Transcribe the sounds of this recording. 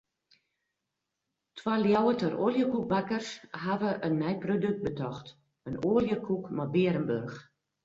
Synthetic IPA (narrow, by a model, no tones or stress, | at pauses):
tʰwaljawətərʔoːljəkuk̚bakərsɦaʋəʔənːɛjprodøk̚t̚bətʰɔxt | ənoːljəkʰukmɔbiəɾənbørx